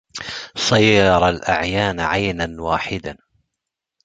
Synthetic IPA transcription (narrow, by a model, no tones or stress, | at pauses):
sˤɑjːɑɾˤɑlʔa̰ʕjaːnʕajnanwaːħɪd̪a